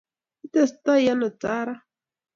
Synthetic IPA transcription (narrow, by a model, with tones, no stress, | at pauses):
i˦t̪ɛ˨st̪ɔ˦ja˦nɔ˨t͡sa˦ɾa˦